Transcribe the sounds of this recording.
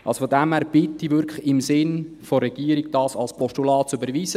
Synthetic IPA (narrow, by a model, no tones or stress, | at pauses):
ɑ̰lsofodæmhæːɾb̥ɪtːivʏɾklɪmsɪnfoɾɛɡ̥iːəɾiɡd̥ɑːsɑlspʰɔʃtulɑːt̚sybəɾʋiːzə